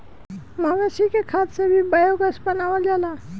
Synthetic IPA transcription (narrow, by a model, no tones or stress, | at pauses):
maɡəsikekʰat̪sebʱibajoɡəsbənawəld͡ʒala